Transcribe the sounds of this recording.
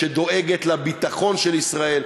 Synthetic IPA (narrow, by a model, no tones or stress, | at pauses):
ed̪o̞ʔeɡet̪labit̪aχo̞nʃelisʁael